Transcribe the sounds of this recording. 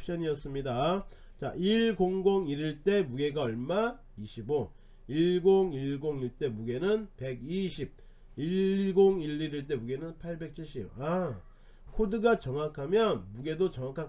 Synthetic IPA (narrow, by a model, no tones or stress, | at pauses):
pɕ͈ʌɲiʌs͈ɯmɲida | t͡ɕa̰iɭɡoŋɡoŋiɾiɭt͈e̞muɡe̞ɡaʌɭma | iɕʰibo | iɭɡoŋiɭɡoŋiɭt͈e̞muɡe̞nɯnpe̞ɡiɕʰib̚ | iɭɡoŋiɭːiɾiɭt͈e̞muɡe̞nɯnpʰaɭbe̞k̚t͡ɕʰiɭɕ͈iba | kʰodɯɡat͡ɕʌŋwakʰamjʌnmuɡe̞dot͡ɕʌŋwakʰa